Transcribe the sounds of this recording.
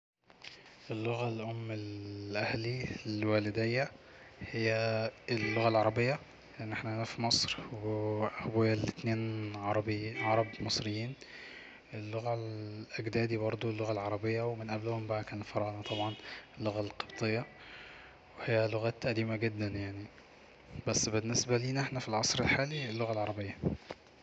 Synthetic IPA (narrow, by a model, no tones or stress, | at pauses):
ʔelːoɣælʔomːelʔæhlilwæːled̪ejːæ | hejːæelːoɣælʕɑɾˤɑbejːæ | leʔenːʔeħnæʔænæfimɑsˤɾweʔʔæbojælet̪neːnʕɑɾˤɑbʕɑɾˤɑbmɑsˤɾejːiːn | ʔelːoɣælʔæɡd̪æːd̪ibɑɾˤd̪ˤulːoɣælʕɑɾˤɑbejːæwemenʔæblohombæʔækæːnelfɑɾˤɑnɑt̪ˤɑbʕɑnelːoɣælqɑ̥bt̪ˤejːɑ | wehejːæloɣæːt̪ʔæd̪iːmæɡed̪ːænjaʕni | bæsːbenːesbæliːnʔeħnæfilʕɑsˤɾelħaːlielːoɣælʕɑɾˤɑbejːæ